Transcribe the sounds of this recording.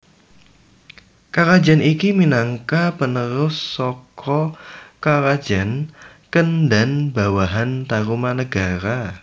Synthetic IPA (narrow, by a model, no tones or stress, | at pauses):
kaɾḁd͡ʒa̤nikiminaŋkapənəɾʊsːɔkʰɔkaɾḁd͡ʒ̥a̤nkəndanbawaɦant̪aɾumanəɡ̥aɾa